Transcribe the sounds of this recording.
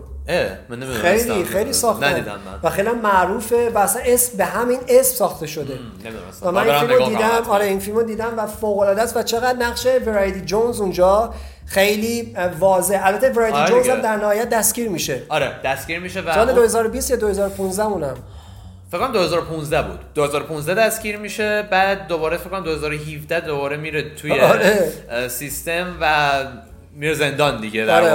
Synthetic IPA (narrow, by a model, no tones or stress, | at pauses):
e | ejlixejliːsɒːxtnæid̪æ̰m̰nvæxejliæmːæʔɾuːfe̞væːsæne̞smbe̞ɦæmine̞smsɒːxt̪e̞ʃo̞d̪e̞ | væmænifilmod̪iːd̪æmɒːɾeinfilmod̪iːd̪æmvæfoːɣolɒːd̪æsvæt͡ʃʰe̞ɣæd̪næɣʃe̞veɾɒjt̪ʰid͡ʒonzund͡ʒɒː | xejliːvɒːze̞hælbæt̪ʰːeveɾɑj̪id͡ʒonzæmd̪æɾnæhɒːjæt̪̚d̪æsɡ̥iːɾmiːʃeɒɾed̪̥æsɡ̥iːɾmiːʃevæsɒːled̪ohe̞zɒːɾobiːst̪jɒːd̪o̞he̞zɒːɾopʰunzd̪æuːnæm | fekʰːæmd̪ohe̞zɒːɾopʰũnzd̪æbṵːd̪̥d̪ohezɒːɾopʰũnzd̪æd̪æsɡiːɾmiːʃe̞bæːd̪̚ːobɒːɾefekʰːæmd̪ohe̞zɒːɾoɦivd̪æd̪obɒːɾemiɾet̪ʰːujeɾesist̪emvæ | miɾeze̞nd̪ɒnd̪iɡedæɾe